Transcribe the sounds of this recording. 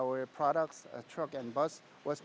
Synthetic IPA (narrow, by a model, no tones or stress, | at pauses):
wə˞pʰɹ̥ɔɾək̚tstʰɹʌkɛ̃nbʌs | wɔs